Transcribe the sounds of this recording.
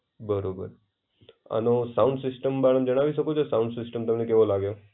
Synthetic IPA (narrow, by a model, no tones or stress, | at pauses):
bəɾobə̰ɾ | a̰nosaũɳɖsɪsʈəmbaɽəmd͡ʒəɽ̃aʋiʃəkot͡ʃʰesãũɳɖsɪsʈəmt̪əmnekeʋolaɡjo